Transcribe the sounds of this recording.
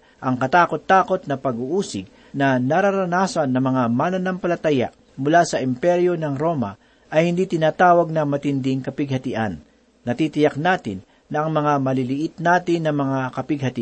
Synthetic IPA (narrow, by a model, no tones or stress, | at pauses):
ʔɐŋkɐt̪aːkot̪ːaːko̞t̪̚nɐpɐɡuʔuːsɪɡ̚ | nɐnaɾaɾɐnaːsɐnːɐmɐŋamaːnɐnampɐlɐt̪aja̰ | mʊlaːsɐʔɪmpɛɾjonɐŋɾo̞ːmɐ̰ | ʔɐjhɪnd̪it̪ɪnaːt̪aːwɐɡ̚nɐmɐt̪ɪnd̪ɪŋkɐpɪɡ̚hɐt̪ɪʔanː | ɐt̪it̪ɪjaknaːt̪ɪ̰nːɐʔɐŋmɐŋamɐlɪlɪʔɪt̪naːt̪ɪnːɐmɐŋakɐpɪɡ̚hɐt̪ɪ